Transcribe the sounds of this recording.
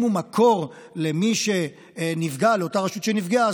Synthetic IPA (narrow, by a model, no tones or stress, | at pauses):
mumakʰo̞ʁ | le̞miʃe̞ | nivɡaleo̞taʁaʃut̪ʃenivɡea